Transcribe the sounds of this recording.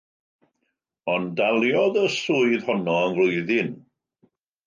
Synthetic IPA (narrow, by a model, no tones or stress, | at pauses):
ɔndalˠjɔðəsuːɨðhɔnɔənvlʊɨðɪn